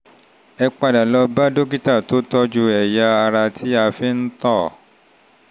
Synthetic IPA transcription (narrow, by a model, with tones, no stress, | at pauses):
ɛ˧k͡pa˧da˨lɔ˧ba˦do˦ɡi˦ta˦˨to˨˦tɔ˦d͡ʒu˧ɛ˨ja˧a˧ɾa˧tʰi˦a˧fi˦n̩˦tɔ˦˨